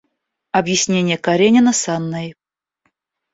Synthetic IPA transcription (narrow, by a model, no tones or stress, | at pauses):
ɐbjɪsʲnʲenʲɪjəkɐɾʲenʲɪnəsanːaj